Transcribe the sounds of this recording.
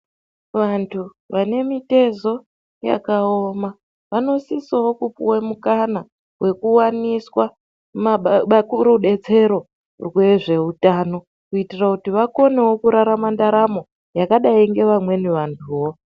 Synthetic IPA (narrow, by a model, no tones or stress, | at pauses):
ʋantʰu | ʋane̞mite̞zo̞ | ja̰kao̞ma | ʋano̞sisowokupuwemukana | we̞kuwaniswa | makuɾuɗe̞t͡se̞ɾo̞ | rwe̞ʐe̞utaːno̞ | kuitirakutiʋako̞ne̞wo̞kuɾaɾamandaɾamo̞ | jakaɗaiŋɡe̞ʋamwe̞niʋantʰuwo̞